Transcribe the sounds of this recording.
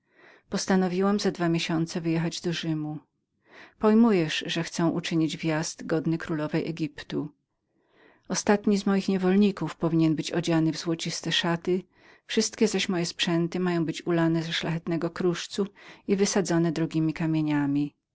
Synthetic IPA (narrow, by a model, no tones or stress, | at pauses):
pɔst̪anɔvʲiwamzad̪vamʲjeɕɔnt̪sɛvɘjɛxad͡ʑd̪ɔʐɘmu | pɔjmujɛʂʐɛxt̪sɛ̃w̃ʔut͡ʂɘɲid͡ʑvʲjazd̪ɡɔd̪nɘkɾulɔvɛjʔɛɡʲipt̪u | ɔst̪at̪ɲizmɔjixɲɛvɔlɲikufpɔvʲiɲɛnbɘt͡ɕɔd͡ʑanɘvzwɔt͡ɕist̪ɛʂat̪ɘ | fʂɘst̪kʲɛzaɕmɔjɛspʂɛnt̪ɘmajɔ̃w̃bɘt͡ɕulanɛzɛʂlaxɛt̪nɛɡɔkɾuʂt̪suivɘsad̪zɔnɛd̪ɾɔɡʲimʲikamʲjeɲamʲi